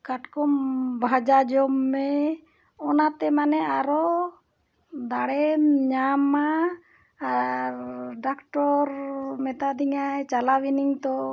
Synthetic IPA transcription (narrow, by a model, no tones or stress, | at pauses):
kaʈkɔmbʱad͡ʒad͡ʒɔmːɛ | ɔnat̪ɛmanɛaɾɔ | d̪aɽɛmɲama | ɾɖakʈɔɾmɛt̪ad̪iŋajt͡ʃalawiniŋt̪ɔ